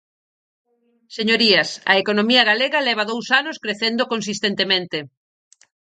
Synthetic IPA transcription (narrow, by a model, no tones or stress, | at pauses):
seɲoɾiɐsɐ̰ekonomiɐɣaleɣɐlɛβ̞ɐðowsanoskɾeθend̪okons̬ist̪ent̪emẽnt̪e